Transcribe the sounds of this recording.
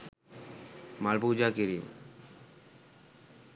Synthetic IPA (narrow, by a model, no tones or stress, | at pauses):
malpud͡ʒakiɾim